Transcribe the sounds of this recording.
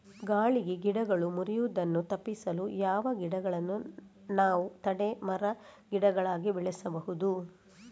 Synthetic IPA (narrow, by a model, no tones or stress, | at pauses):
ɡaːɭiɡeɡiɽɐɡɐɭumuɾijuːd̪ɐnːut̪ɐpːisɐlujaːʋɐɡiɽɐɡɐɭɐnːu | naːʋut̪ɐɽemɐɾɐɡiɽɐɡɐɭaːɡibɛɭɛsɐbɐɦud̪u